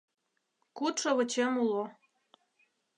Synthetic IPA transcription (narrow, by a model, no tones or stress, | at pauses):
kut̪ʃoβə̆t͡ɕemulo